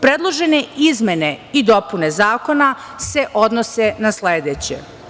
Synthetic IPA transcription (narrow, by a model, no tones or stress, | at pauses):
pɾed̪lˠoʒe̞ne̞izme̞ne̞id̪o̞pune̞zaːko̞na | se̞ʔo̞d̪nosenasleːd̪eːt͡ɕḛ